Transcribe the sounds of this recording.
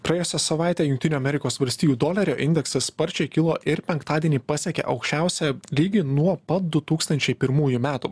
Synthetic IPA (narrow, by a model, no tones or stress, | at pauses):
pɾɐjeːjosʲɛsɐʋɑˑɪt̪ʲejʊŋkt̪ʲɪnʲuːɐmʲɛɾʲɪkoːsʋɐlʲsʲt̪ʲiːjuːd̪oːlʲɐɾʲoːʔɪnʲd̪ʲɛksɐspɐɾʲt͡ʃʲɛɪkʲɪlˠoːʔɪɾpʲɛŋkt̪ɑːd̪ʲiɛnʲiːpɑsʲiɛkʲḛʔɐʊkʃʲt͡ʃʲæˑʊsʲɛlʲiːɡʲɪnuɔpɐt̪̚d̪ʊt̪uːkst̪ɐnʲt͡ʃʲɛɪpʲɪɾmuːjumʲæːt̪u